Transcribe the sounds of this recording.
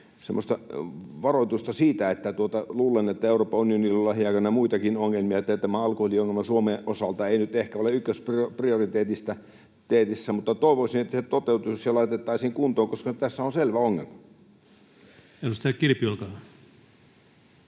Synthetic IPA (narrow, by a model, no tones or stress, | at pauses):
semːost̪ɑʋɑroit̪ust̪ɑsiːt̪æet̪ːæt̪uot̪ɑluːlenet̪ːæeuroːpːɑunionilːolɑhiɑˑikɑnːɑmuit̪ɑkinoŋːelmiɑet̪ːæt̪æmæɑlkuholioŋːelmɑsuomeʔosɑlt̪ɑeinyt̪ehkæoleykːøspropriorit̪eːt̪ist̪æ | t̪eːt̪isːæmut̪ːɑt̪oˑiʋoisinet̪ːæset̪ot̪eut̪uusjɑlɑit̪et̪ːɑisiːŋkunt̪oːŋkoskɑnyt̪t̪æsːæonselʋæoŋːḛlmɑ | eost̪ækirpiolkɑː